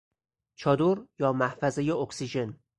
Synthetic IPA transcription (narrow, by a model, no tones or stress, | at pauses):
t͡ʃʰɒːd̪oɾjɒːmæhfæzejeoksiʒe̞n